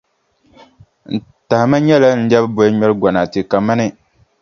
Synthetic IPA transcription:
n̩˨ | ta˨hma˦ɲɛ˦la˦n̩˦dɛ˦bɨ˦bɔ˦ɲɛ˦lɨ˦ɡʷɔ˨na˨tɨ˨ka˨ma˦nɨ˦

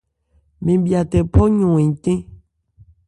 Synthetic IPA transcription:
mẽ˨bi˨a˨t̪ɛ˨pɔ˦ɲõ˨ẽ˨t̪ẽ˦

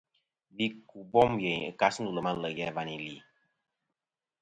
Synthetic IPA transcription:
bi˦ku˨bɔ˦mje˨ɲ˨ɨ̰˨ka˦s̩˦u˨lə˨ma˦lə˨jɛ˦˨va˨ni˨li˨

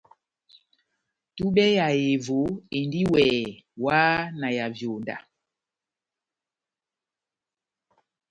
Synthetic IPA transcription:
tu˦ɓɛ˦ja˨je˨vo˨˦e˨ndi˦wɛː˨waː˦na˨ja˨vjo˨nda̰˨

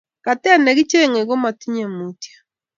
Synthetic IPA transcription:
ka˨tɛ˦a˦nɛ˨ɡi˦t͡ʃe˦˨ŋe˨ɡo˦ma˨ti˦ɲe˨mu˨tja˨

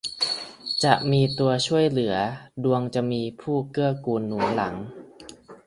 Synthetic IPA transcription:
t͡ɕa˨˩ʔmiː˧t̪u˧ət͡ɕʰu˥˩əjlɯ˩˦ɐdu˧əŋt͡ɕa˨˩miː˧pʰuː˥˩kɯ˥˩əkuː˧nːuː˩˦la˩˦ŋ

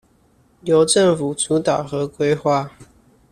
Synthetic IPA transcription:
jo˨˦ʊʈ͡ʂə˥˨ŋfu˨˩t͡su˨˦t̪a˨˩ʊxɤ˨˦kwe˥ɪxwa˥˨

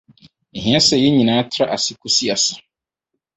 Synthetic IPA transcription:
ɦĩ˨˦a˦sɛ˨jɛ˦ɲĩ˨nãː˦tʰɾa˦ʔa˨sɪ˦kʰu˦si˦a˨sɪ̥˨

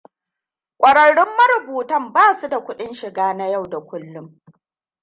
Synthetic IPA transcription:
kʷʼɐ˨ɽɐ˨ɽɪ˦mːɐ˦ɾʊ˨buː˨tɐ˦˨mbaː˦˨su˦da˨kʷʊ˦ɗɪ˦nʃɪ˨ɡaː˦na˦ja˦˨wda˨kʷʊ˦lːʊ˦m

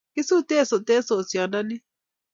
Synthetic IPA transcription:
ki˦su˦˨t̪e˦˨so˨t̪e˦so˨sja˨na˦nɪ˦

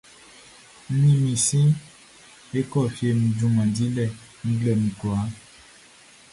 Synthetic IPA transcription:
mĩ˨mĩ˨sĩ˦ | e˦kɔ˦˨fje˨mĩ˨d͡ʒũ˨mã˨di˦lɛ˦˨ | ŋ̩˦ɡlɛ˨mĩ˨kwa˨˦

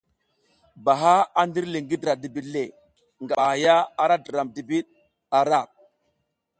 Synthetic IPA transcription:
ba˨ɦa˦a˦ndi˦ɾli˨ŋɡi˦dɾa˨di˨bi˨le˨ | ŋɡa˨a˨ja˦a˦ɾa˦də˨ɾa˨mdi˨bi˦ɗ | a˨ɾa˦˨p̚

